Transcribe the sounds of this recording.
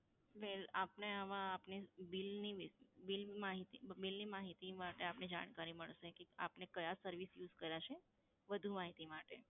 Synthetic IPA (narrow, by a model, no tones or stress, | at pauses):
ʋelapneəʋãapnibɪlniʋibilmaɦit̪ibilnimaɦit̪imaʈeapnid͡ʒaɽ̃kaɾiməɭʃekea̰pnekəjasəɾʋisjud͡ʒkəɾjat͡ʃʰe | ʋəd̪ʱumaɦit̪imaʈḛ